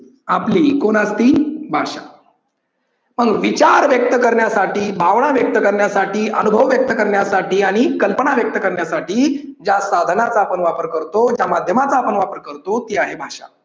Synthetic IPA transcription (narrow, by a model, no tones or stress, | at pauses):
apliːkonast̪iːbʱaɕa̰ | məɡʋit͡ɕaɾʋjək̚t̪əkəɾɳjasaʈiːbʱaʋɳ̃aʋjək̚t̪əkəɾɳjasaʈʰiːʔənubʱəʋʋjək̚t̪əkəɾɳjasaʈiːaɽ̃ikəlpəɳaʋjək̚t̪əkəɾɳjasaʈiːd͡ʑasad̪ʱənat͡saːpəɳʋapəɾkəɾt̪od͡ʑjamad̪ʱjəmat͡saːpəɳʋapəɾkəɾt̪ot̪iaɦebʱaʂa̰